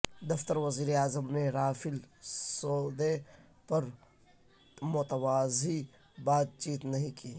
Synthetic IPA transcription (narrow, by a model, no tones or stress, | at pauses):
d̪ɐft̪əɾʋɐziːɾeaːzəmneɾaːfɪlsoːd̪e | pɐɾ | mʊt̪əwaːzi | baːd̪̚t͡ʃiːt̪nɐɦĩkiː